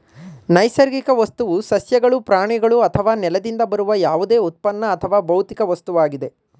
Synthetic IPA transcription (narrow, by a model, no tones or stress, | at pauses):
nɐjsɐɾɡikɐʋɐst̪uʋusɐsjɐɡɐɭupɾaːɳiɡɐɭuɐt̪ʰɐʋaːnɛlɐd̪ind̪ɐbɐɾuʋɐjaːʋud̪eːut̪̚pɐnːɐːt̪ʰɐʋaːbɐwt̪ikɐʋɐst̪uʋaːɡid̪e̞